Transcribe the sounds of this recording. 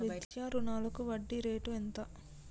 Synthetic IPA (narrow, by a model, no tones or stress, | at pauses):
it̪jaːɾunaːlɐkuʋɐɖːiɾeːʈuent̪ɐ